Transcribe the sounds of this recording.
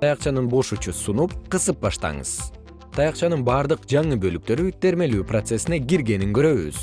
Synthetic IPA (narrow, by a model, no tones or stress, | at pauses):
t̪ɑjɑqt͡ʃɑnɯnbo̞ʃut͡ʃusunup̚qɯsɯp̚bɑʃt̪ɑ̰ɴɯ̰z̥ | t̪ʰɑjɑqt͡ʃɑnɯnbɑːɾd̪ɯqd͡ʒɑɴɯbø̞lyk̚t̪ø̞ɾyt̪ʰe̞ɾme̞lyːprot̪se̞sineɡiɾɡe̞niŋɡø̞ɾø̞βy̰z̥